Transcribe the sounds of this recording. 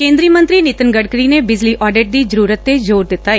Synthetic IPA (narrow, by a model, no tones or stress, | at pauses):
kẽːnd̪ɾiːmə̃nt̪ɾiːnɪt̪ənɡəɽkəɾiːneːbɪzliːʔɔːɖɪʈ̚d̪iːzəɾuːɾət̪ːeːd͡ʒoːɾd̪ɪt̪ːaːeː